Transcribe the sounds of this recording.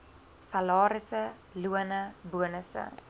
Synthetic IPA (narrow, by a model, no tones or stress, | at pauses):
sɐlɑːɾəsə | luənəbuənəsə̰